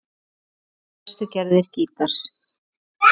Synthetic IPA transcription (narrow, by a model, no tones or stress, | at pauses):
st̪ʏcɛɾðɪɾ̥ciːt̪aɾ̥s